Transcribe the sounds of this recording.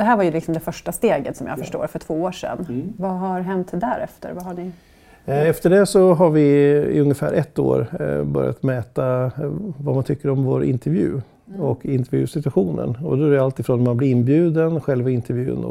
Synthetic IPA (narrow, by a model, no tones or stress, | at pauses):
d̪̥ɛɦæːɾvaɾjɵlɪksɔmd̪ɛfœʂʈast̪eːɡət̪sɔmja̰ːfœʂʈo̰ːɾfœʈʰvoːoːʂɛ̰nvaɦaɾɦɛnt̪d̪æɾɛft̪ə̰ɾvaɦaɳɪ | ɛft̪əɖɛsɔɦaɾvɪɪ̰ɵŋːəfæ̰ːɾʔɛt̪ːo̰ːɾbœ̰ɾja̰t̪mɛːt̪a | vamant̪ʰʏkːəɾɔmvoːɾʔɪ̰nt̪ʰɛɾvjʉ̟̰ː | ɔkʰɪnt̪ɛɾvjʉ̰ːsɪt̪ɵaɧuːnə̰nɔd̪ɔæɾalt̪ɪfɾoːnmanblɪɾɪnbjʉ̟ːd̪ənɧɛlvaɪnt̪ʰəɾvjʉ̟ːnɔ̰